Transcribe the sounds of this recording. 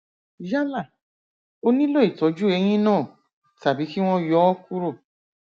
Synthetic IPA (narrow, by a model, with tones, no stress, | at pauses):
ja˦la˦˨ | o˦nĩ˦lo˦i˨tɔ˨˦d͡ʒu˦ɛ˧j̃ĩ˦nãː˦˨ | ta˨bi˨˦ki˦w̃ɔ̃˦jɔ˨˦ɔ˦ku˦ɾo˦˨